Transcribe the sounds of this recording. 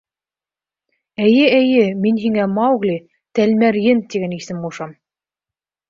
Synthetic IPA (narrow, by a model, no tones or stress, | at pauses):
æjɘæjɘminɦiŋæmɑɣlʲi | t̪ælmæɾjɘnt̪iɡænisɘmuʃɑm